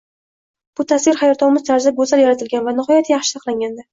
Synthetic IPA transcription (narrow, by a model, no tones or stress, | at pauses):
b̥ʊt̪ʰasvɪɾχajɒɾt̪ʰɒwmɪzt̪ʰaɾzaɡɵzaljaɾat̪ʰɪlɡʲanvanɪχɒjat̪ʰjɑχʃɪ̥sʰɑqlˠaŋɡʲand̪a